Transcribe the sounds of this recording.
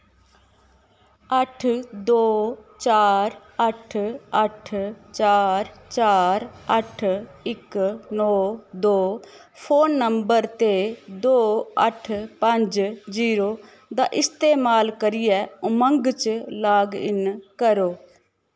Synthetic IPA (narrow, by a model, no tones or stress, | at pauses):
əʈʰd̪oːt͡ʃaːɾ | əʈʰəʈʰt͡ʃaːɾt͡ʃaːɾəʈʰɪknɔːd̪oː | pʰoːnːəmbəɾt̪ed̪oːə̰ʈʰpə̃ɲd͡ʒziːɾoː | d̪aːʔɪst̪eːmaːlkəɾɪjɛːʊmə̃ŋɡt͡ʃlaːɡɪ̰nkəɾoː